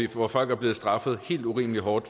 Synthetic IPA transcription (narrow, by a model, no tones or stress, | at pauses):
ɒfɒ̽l̰ɡ̥æɐble̝ːð̩ˠsd̥ʁɑ̈fəð̞̩ˠhe̝̰ːld̥uʁḭːməliɦɒːd̥